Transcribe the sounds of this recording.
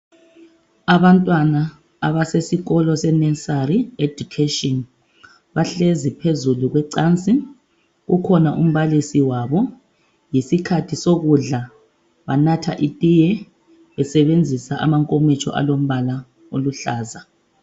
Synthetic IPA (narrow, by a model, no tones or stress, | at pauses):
aβantʼwanaː | βasesiɣɔlɔsɛnɛsariedukʰetʼɔn | βaɬezipʰezuluɣwɛǀaːnt͡sʼi | ɣukʰɔnaʔṵm̩βalisiwaβɔ | jisikʰatʰisoɣuɮa | βanatʰa̰ʔitʼijɛ | βɛsɛβend͡zʱisaʔa̰maŋkʼomit͡ʃʰʼɔ̰ʔa̰lom̩βala | oluɬaːza